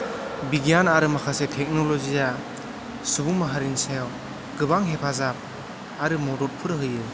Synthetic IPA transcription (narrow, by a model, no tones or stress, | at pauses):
biɡijanaɾɯmakʰasetʰɛk̚nɔlɔzija | subuŋmaɦaɾinsew | ɡɯbaŋɦepʰazap̚ | aɾɯmɔɾɔt̚pʰɯɾɯɦɯjɯ